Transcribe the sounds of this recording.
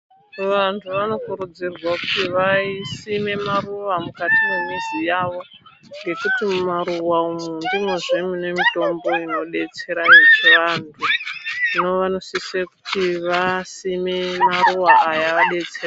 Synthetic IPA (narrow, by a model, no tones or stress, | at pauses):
ʋantʰuʋano̞kuɾud͡zirwakutiʋaisime̞maruʋamukatimemizijaʋo̞ | ŋɡe̞kutimumaɾuwaumundimwe̞ʐemine̞mito̞mbo̞ino̞ɗe̞t͡se̞ɾajet͡ʃeʋantʰuno̞ʋano̞siseku̥tiʋasimemaruwaːjaʋaɗe̞t͡sera